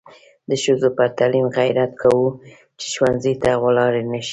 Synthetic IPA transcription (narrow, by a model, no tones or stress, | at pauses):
d̪əʃəzopəɾt̪alimɣajɾat̪kʰawu | t͡ʃe̥ʃwanzit̪aɣwalɑɾenaʃi̥